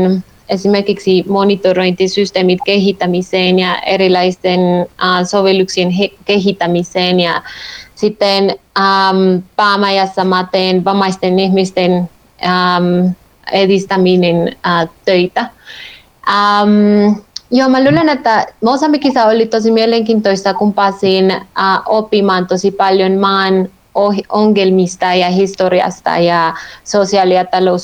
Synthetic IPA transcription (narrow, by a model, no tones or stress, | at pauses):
n | esimerkiksimonit̪oɾoint̪isyst̪eːmit̪keɦit̪ːæmiseːnjɑʔḛɾilɑist̪enasoʋeluksienɦkeɦit̪ːæmiseːnjɑsit̪ːenampaːmæjɑsːɑmɑt̪eːnʋɑmɑist̪enihmist̪en | am | eðist̪ɑminenat̪øit̪æ | am | jomælulenet̪ːæmosɑmikisæolit̪os̬imieleŋkiːnt̪oist̪ɑkumpɑːsiːnaʔopːimɑːnt̪osipɑljonmɑːn | ooŋɡelmist̪ɑjɑhist̪oɾiɑ̰st̪ɑ̰jɑsosiɑliɑt̪ɑlous